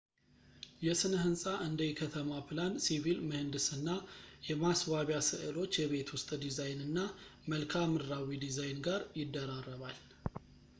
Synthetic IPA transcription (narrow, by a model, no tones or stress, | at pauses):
jɛsɨnəɦɨnsʼaʔɨnd̪əjikʰət̪ʰəmapʰlansivilmɨhɨnd̪ɨsɨnːajɛmasβaβjasɨ̰ʔɨlo̞t͡ʃːjɛβe̞t̪wʊst̪ʼd̪izajnɨnːaməlkʰamɨɾːawid̪izajnɡaɾjɪd̪ːəɾarːəβal